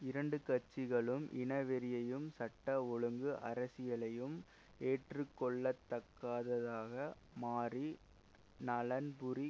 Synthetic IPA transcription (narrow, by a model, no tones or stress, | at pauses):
ɪɾɐɳɖɯkɐt͡ʃːɪɣɐɭɯmʔɪ̰nɐʋɛɾɪjɐjɯmsɐʈːɐɔɻɯŋɡɯʔɐɾɐsɪjɐɭɐjɯm | eːʈrɯkːɔɭːɐt̪ːɐkːaːðɐðaːɣɐ | maːri | nɐlɐnbʊri